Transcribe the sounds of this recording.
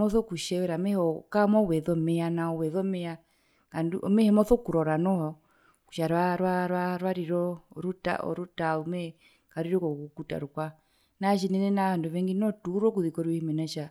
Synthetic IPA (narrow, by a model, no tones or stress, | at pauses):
mɔθɔkuʃɛwɛɾamɛhɔkamɔwɛðɔmɛanaɔwɛðɔmɛa | ŋanduʔɔ̰mɛhɛmɔθɔkuɾɔɾanɔhɔ | ku̥ʃaɾwaɾwaɾwaɾwaɾiɾɔɾuta̰ɔ̰ɾutaumɛ | kaɾiɾɔkɔkukuta̰ɾukwa | naʃinɛnɛnaβanduβɛŋɡinɔtuɾɔk̬uðikɔɾihimɛnaʃa